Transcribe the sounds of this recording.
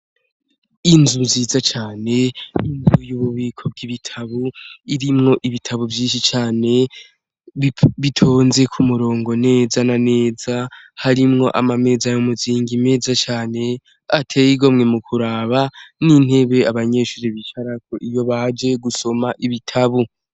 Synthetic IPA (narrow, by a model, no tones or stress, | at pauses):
inzuziːzat͡ʃaːne̞inzujuβuβiːkʰo̞b̚ɡiβitʰaβuiɾimŋo̞ʔiβitʰaβuvjiːnʃit͡ʃaːne̞ | βitʰo̞ːnze̞kʰumuɾo̞ːŋɡo̞ne̞ːzanane̞ːzahaɾimŋo̞ʔamame̞zajomuziːŋɡime̞ːzat͡ʃaːne̞ | atʰe̞jiɡo̞mŋe̞mukʰuɾaːβanin̥he̞βe̞aβaɲe̞ːʃuːɾeβit͡ʃaɾakʰoʔijo̞βad͡ʒe̞ɡuso̞maʔiβitʰaβu